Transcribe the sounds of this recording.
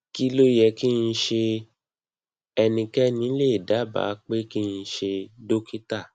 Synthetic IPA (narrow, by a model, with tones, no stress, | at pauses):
ki˦lo˦jɛ˧˨ki˦˧n̩˧˦ʃe˧ | ɛ˧nĩ˧kɛ˦nĩ˨˦le˦˨da˨˦ba̰ː˨˦k͡pe˦ki˦n̩˧ʃe˧do˦ki˦ta˦˨